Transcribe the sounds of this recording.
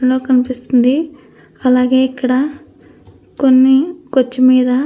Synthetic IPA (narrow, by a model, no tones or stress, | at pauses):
ɳlo̞ːkɐnipist̪und̪i | ɐlaːɡe̞ːikːɐɽɐ | ko̞nːikot͡ʃːimiːd̪ɐ